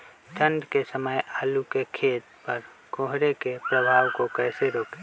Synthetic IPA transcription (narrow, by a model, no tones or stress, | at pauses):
t̪ʰə̃nɖkesəməjaːlukekʰeːt̪pəɾ | koːɦɾekepɾəbʱaːwkokɛːseɾoːke̥ː